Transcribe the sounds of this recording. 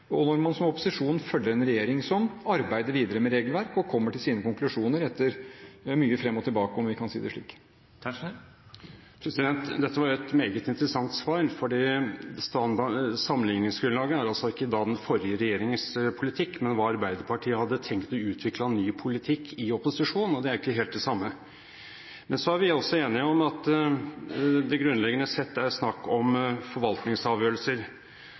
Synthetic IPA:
ɔnɔɾmɑnsɔmɔpʊsɪʂuːnfœlːəɾɛnɾɛjeːɾɪŋsɔmɑɾbæɪd̪əɾʋiːd̪əɾəmɛɾeːɡəlʋæɾkɔkʰɔmːəʈɪlsiːnəkʊŋklʉʂuːnəɾɛt̪ːəɾmyːəfɾɛmːɔt̪ʰɪlbɑːkəɔmʋɪkʰɑnsiːd̪ɛʂɭḭːk̪ | pʰɾɛsɪd̪ɛnt̪d̪ɛt̪ːəʋɑjɛt̪meːɡət̪ɪnt̪əɾəsɑŋt̪sʋɑːɾfɔɖiːst̪ɑsɑmːənɪŋnɪŋsɡɾʉnlɑːɡəæɾɑlsɔɪkːəd̪ɑːd̪ɛnfɔɾjəɾɛjeːɾɪŋəspʰʊlɪt̪ʰɪkːmɛnʋɑːɑɾbæɪd̪əɾpʰɑʈʰiːəhɑd̪ːət̪ʰɛŋkt̪ɔʉːt̪ʰʋɪklɑnːyːpʰʊlɪt̪ʰɪkʰːɪɔpʊsɪʂuːnnɔd̪ɛæɾɪkəɦeːlt̪d̪ɛsɑmːə | mɛnsɔæɾʋɪɔsːɔeːnɪɔmɑt̪ | d̪ɛɡɾʉnlɛɡːənəsɛt̪ːæɾsnɑkːɔmfɔɾʋɑlt̪nɪŋsɑːʋjøːɾəlsəɾ

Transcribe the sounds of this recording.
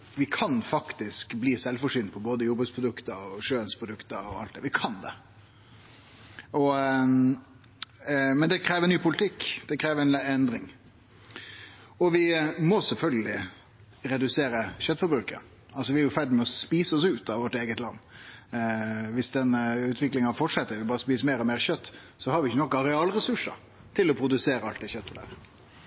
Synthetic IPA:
ʋɪkʰɑnfɑkt̪ɪskbliːsɛlfɔʂʏːnpʰɔboːd̪əjɔbəspʰɾʊd̪ʉkt̪əɾɔʂøːənspʰɾʊd̪ʉkt̪əɾɔ̰ɑ̰lt̪d̪ɛ̰ːɾʋɪkʰɑnd̪ɛ̰ | ɔ | mɛnd̪ɛkʰɾeːʋəɾnyːpʰʊlɪt̪ʰɪkːd̪ɛkʰɾeːʋəɾɛnɛnd̪ɾɪŋ | ɔʋɪmɔsɛlfœlɡəlɪ | ɾɛd̪ʉseːɾəɕœt̪fɔɾbɾʉːkə̰ɾ | ɑlsɔʋɪæɾjʊfæd̪əmɛɔspiːsəɔsʉːt̪ɑʋɔʈeːɡət̪lɑ̰nː | ʋɪsd̪ɛnʉːt̪ʰʋɪklɪŋɑfɔʈʂɛt̪ːəɾɪbɑːɾəspiːsmeːɾɔmeːɾɕœt̪ː | sɔhɑɾʋɪɪçːənɔkːɑɾɛɑːlɾɛsʉʂə̰ | t̪ʰɪlɔpʰɾʊd̪ʉseːɾəɑlt̪ɪçœt̪ːəlɑ̰ə

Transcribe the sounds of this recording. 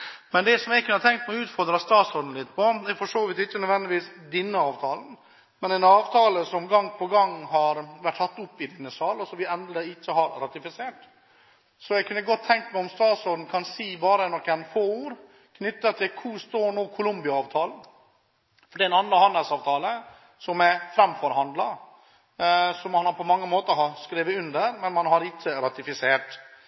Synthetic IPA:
mɛnd̪ɛsɔmɛɡkʰʉnət̪ʰɛŋkt̪mɛʉːt̪fɔɾd̪ɾɑst̪ɑːt̪sɔd̪n̩lɪt̪ːpʰɔd̪ɛɾfɔʂoːʋɪt̪ɪçːənœd̪ʋɛnd̪ɪʋiːsd̪ɪnːəɑːʋt̪ʰɑːln̩ | mɛnɛnɑːʋt̪ʰɑːləsɔmɡɑŋːpʰɔɡɑŋːɦɑɾʋæʈʰːɑt̪ːʊpːɪd̪ɪnːəsɑːlɔsɔʋɪɛnd̪əɪt͡ʃːəhɑɾɾɑt̪ɪfɪseːʈ | sɔjɛɡkʉnəɡɔt̪ʰːɛŋkmɛɔmst̪ɑːsɔd̪n̩kʰɑnsiːbɑːɾənɔkːænfoːuːɾ | kʰnʏt̪ːət̪ʰɪlkʰust̪oːɳoːkʰʊlʊmbɪɑːʋt̪ʰɑːln̩ | fɔɖiːɛnɑnɑhɑnd̪əlsɑːʋt̪ʰɑːlə | sɔmɛfɾɛmfɔɾɦɑnd̪lɑ | sɔmɑnhɑɾpʰɔmɑŋːəmoːt̪əɦɑskɾeːʋəʉnd̪əɾmɛnmɑnhɑɾɪt͡ʃːəɾɑt̪ɪfɪseːʈ

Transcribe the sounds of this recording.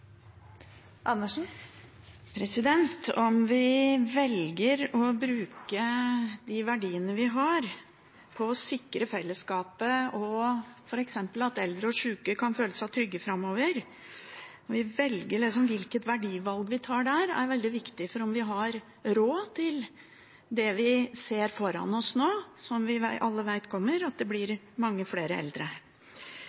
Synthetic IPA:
ʔɑnːəʂn̩ | pʰɾɛsɪd̪ɛnt̪ɔmʋɪʋɛlɡəɾɔbɾʉːkəd̪ɪʋæɖiːənəʋɪɦɑɾ | pʰɔsɪkːɾəfɛlːəskɑːpəɔfɔɾɛksɛmpəlɑt̪ɛld̪ɾəɔʂʉːkəkʰɑnføːləsæɪt̪ʰɾʏɡːəfɾɑmːoːʋəɾ | ɔʋɪʋɛlɡəɭɪksɔmʋɪlkət̪ʋæɖiːʋɑlɡʋɪt̪ʰɑːɖæɾæ̰ɾʋɛld̪ɪʋɪkt̪ɪfɔɾɔmʋɪɦɑɾ | ɾoːt̪ʰɪl | d̪ɛʋɪseːɾfɔɾɑ̰nɔsnoːsɔmʋɪʋæɪʔɑlːəʋæɪt̪kʰɔmːəɾɑt̪̚d̪ɛblɪɾ | mɑŋːəfleːɾəɛ̰ld̪ɾə

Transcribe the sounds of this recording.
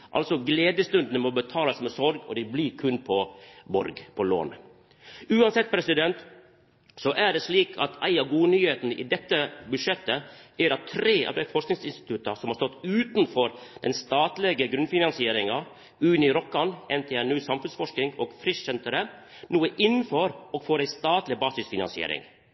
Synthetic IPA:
ʔɑ̰lsɔɡleːd̪əst̪ʉnd̪nəmɔbət̪ʰɑːlɑsmɛsɔɾɡɔ̰d̪ɪbliɾkʰʉnpʰɔbɔ̰ɾɡpʰɔlo̰ːn | ʉːɑnsɛt̪̚ːpʰɾɛsɪd̪ɛnt̪ | sɔʔæɖɛsliːkʰɑt̪ʰæ̰ɪɑʋɡuːnyːheːt̪nəʔḭd̪ɛt̪ːəbʉdʂɛt̪ːəæɾɑt̪ʰːɾeːɑ̰ʋd̪ɾæɪfɔʂknɪŋsɪnst̪ɪ̥t̪ʰʉt̪ːɑsɔmhɑːɾst̪ɔt̪ːʉːt̪nfɔɾd̪̥ɛnst̪ɑːt̪lɛɡəɡɾʉnfɪnɑnsɪeːɾɪŋɑ | ʉːnɪɾɔkːɑnɛnt̪ʰɛːænʉːsɑmfʉnsfɔʂknɪŋoːɡ̥fɾɪsʃɛnt̪əɾə | nuːəʔɪn̩ːfɔɾɔːɡ̥foːɾæɪst̪ɑːt̪lɪbɑːsɪsfɪnɑ̰nsɪḛːɾɪ̰ŋ

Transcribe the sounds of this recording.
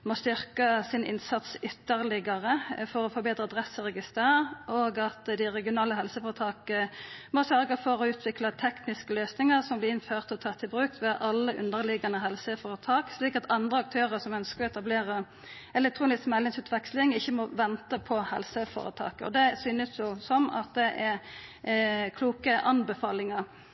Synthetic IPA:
mɔst̪ʏʁkəsɪnʔɪ̰nsɑt̪sʏt̪ːəʁlɪɡɑʁəfɔɾɔfɔɾbeːt̪ʁəd̪ʁɛsəʁɛɡɪst̪æːʔoːɡɑt̪d̪æɪʁɛɡɪʊnɑːləɦɛlsəfoːʁət̪ʰɑːkəmɔsœɾɡəfɔɾɔʉːt̪ʰʋɪklɑt̪ʰɛknɪskəløːsnɪŋəʁsɔmblɪɪnføːʁt̪ɔt̪ʰɑːʁt̪ʰɪlbʁʉːk̚t̪ʋɛʔɑlːəʔʉ̰nd̪əʁlɪɡɑnəɦɛlsəfoːɾət̪ʰɑːksliːkɑt̪ʰɑnd̪ʁəɑk̚t̪ʰøːʁəsɔmœnskəɾɛt̪ɑbleːʁə | ɛlɛk̚t̪ʰʁuːnɪsksmɛlːɪŋsʉːt̪ʰʋɛkslɪŋɪçːəmɔʋɛnt̪əpʰɔhɛ̰lsəfo̰ːɾə̰t̪ʰɑ̰ːkɔ̰d̪ɛsyːnəsjʊsɔmɑ̰t̪̚d̪ɛʔɛʁ | kʰluːkəʔɑnbəfɑːlɪŋəɾ

